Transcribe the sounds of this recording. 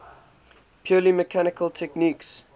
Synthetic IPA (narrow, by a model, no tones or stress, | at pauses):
pʰjuːliməkʰænɪkəlˠtʰɛkniːˑks